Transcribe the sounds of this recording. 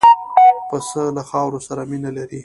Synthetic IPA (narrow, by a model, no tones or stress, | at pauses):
pəsəlaxɑwɾosaɾaminalaɾi